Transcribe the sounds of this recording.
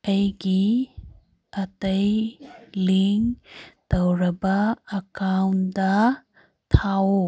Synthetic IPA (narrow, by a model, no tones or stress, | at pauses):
ɐjɡi | ɐtɐjliŋtɐwɾɐbɐːkawnd̪ɐ | t̪ʰawo